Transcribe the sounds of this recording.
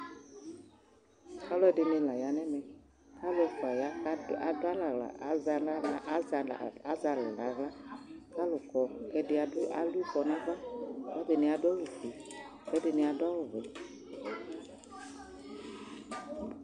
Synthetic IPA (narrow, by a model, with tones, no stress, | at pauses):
ka˦lʊ˦ɛ˨˦ɖɪ˨ne˧la˨ja˨˦nɛ˦mɛ˨ | ka˦lʊ˦ɛ˨fa˨ja˦ka˦a˨˦dʊ˦a˦la˨ɣla̰˨˦za˨la˦za˨a˦za˨la˨la˨ɣla˦ka˦lʊ˨kɔ˨kɛ˦dɪ˨a˨dʊ˦ʔa̰˦lu˦kɔ˨nã˦va˦wɔ˦de˨ne˨a˨dɔ˦lu˨fe˨ | kɛ˨˦dɪ˨ne˧a˨da˦wʊ˨vɛ˨